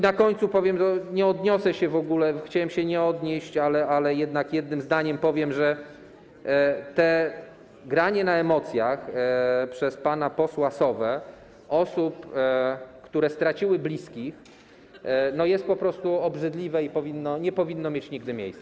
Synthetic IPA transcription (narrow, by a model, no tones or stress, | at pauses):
inakɔɲt̪supɔvʲjɛmt̪ɔɲɛɔd̪ɲɔsɛɕɛvɔɡulɛxt͡ɕawɛmɕɛɲɛɔd̪ɲeɕt͡ɕalɛʔalɛjɛd̪nakjɛd̪̚nɘmzd̪aɲɛmpɔvʲjɛmʐɛ | t̪ɛ | ɡɾaɲɛnaɛmɔt̪sʲjaxpʂɛspanapɔswasɔvɛ | ɔsup | kt̪uɾɛst̪ɾat͡ɕiwɘblʲiskʲix | nɔjɛst̪̚pɔpɾɔst̪uɔbʐɘd̪lʲivɛipɔvʲinːɔɲɛpɔvʲinːɔmʲjet͡ɕɲiɡ̚d̪ɘmʲjḛjssɛ